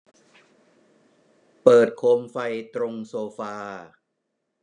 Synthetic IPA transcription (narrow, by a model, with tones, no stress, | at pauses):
pɤː˨˩t̪̚kʰoː˧mfa˧jt̪ɾo˧ŋsoː˧faː˧